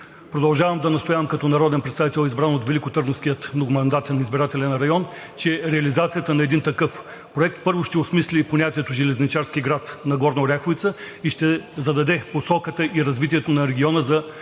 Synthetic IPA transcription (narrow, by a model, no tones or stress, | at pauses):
pɾod̪ɐlˠʒavəmd̪ɐnɐst̪ʊjavəmkɐt̪ɔnɐɾɔd̪ɛnpɾɛt̪st̪avit̪ɛlˠizbɾanot̪vɛlikʊt̪ɤɾnofskʲijət̪noɡʊmɐnd̪at̪ɛnizbiɾat̪ɛlʲɛnɐɾɐjɔn | t͡ʃɛɾɛɐlizat̪sijət̪ənɐɛd̪int̪ɐkɤf | pɾoɛk̚t̪̚pɤɾvʊʃt̪ɛʊsmislʲiponʲat̪iɛt̪ʊʒɛlɛznit͡ʃaɾskiɡɾat̪nɐɡɔɾnoɾʲaxʊit̪sə | iʃt̪ɛzɐd̪ɐd̪ɛposɔkət̪əʔiɾɐzvit̪iɛt̪onɐɾɛɡʲiɔnəzɐ